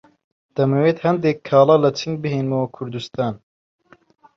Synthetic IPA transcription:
d̪̥ɐmeweːt̪hɐnd̪ekʰːɑːlɑːlɐt͡ʃʰɨŋɡ̚bɨɦeːnmowɐkʰuɾd̪ust̪ɑːn

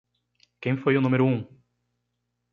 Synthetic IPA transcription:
kẽj̃fojʊnũmeɾʊũ

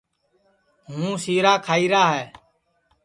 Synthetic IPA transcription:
ɦũːsiːɾaːkʰaːiːɾaːɦɛː

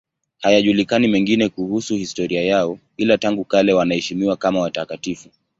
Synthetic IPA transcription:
hajaʄulikanimɛŋɡinɛkuhusuhistɔɾiajaɔ | ilataŋɡukalɛwanahɛʃimiwakamawatakatifu

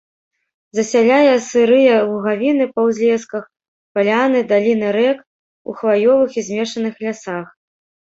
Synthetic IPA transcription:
zɐsʲalʲajɛsɨɾɨjɐvuɣavʲinɨpɐwzʲlʲɛskɐx | palʲanɨd̪alʲinɨɾɛk | ṵxvajɔvɨxizʲmʲɛʂɐnɨxlʲasax

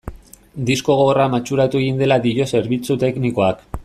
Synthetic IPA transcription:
d̪isko̞ɣoramat͡ʃuɾat̪ue̞ɣind̪e̞lad̪iʎo̞se̞ɾβit͡sut̪e̞kniko̞ak

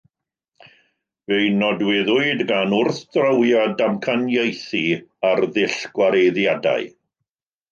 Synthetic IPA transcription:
vejnɔdwɪðʊɨdɡanʊrθd̥rəwjadamkʰanjejθiarðɪɬɡ̥waɾejðjada̰ɨ

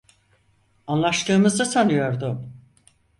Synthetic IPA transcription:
anlˠaʃt̪ɯːmɯzd̪ɯsanɯjo̞ɾd̪ʊ

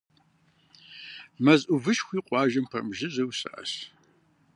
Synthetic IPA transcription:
mɐzʼʔʊvɨʃxʷiːqʷʼɑːʒɐmpʰɐmʒɪzɐwsɐ̰ʔɐ̰ɕ

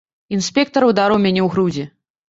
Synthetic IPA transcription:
insʲpʲɛk̚t̪ɐɾɐwd̪aɾɔwmʲanʲɛwɣɾud͡zʲi

